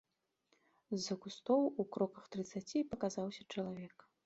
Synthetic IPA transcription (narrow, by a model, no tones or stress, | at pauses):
zːɐkust̪ɔwukɾɔkɐxt̪ɾɨt̪sat͡sʲipɐkazawsʲɐt͡ʂɐlˠavʲɛk